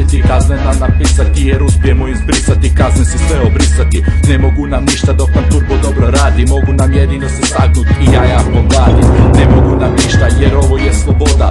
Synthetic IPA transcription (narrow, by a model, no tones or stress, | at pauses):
et̪ikaznenamnapisat̪ijeɾuspjemoizbɾisat̪ikaznesesʋeobɾisat̪ine̞mo̞ɡunamniʃt̪ad̪okant̪upod̪o̞bɾo̞ɾaːd̪imo̞ɡunamjed̪iːno̞sest̪aɡnut̪ijaːjaːpomɾaːd̪imne̞moɡunamniʃt̪ajeɾo̞ʋo̞jeslˠo̞bo̞d̪a